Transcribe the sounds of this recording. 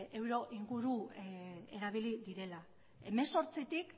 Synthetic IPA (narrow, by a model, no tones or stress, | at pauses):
e̞wɾo̞ʔiŋɡuɾu | e̞ɾaβ̞iliðiɾe̞la | e̞me̞nso̞ɾt͡sit̪ik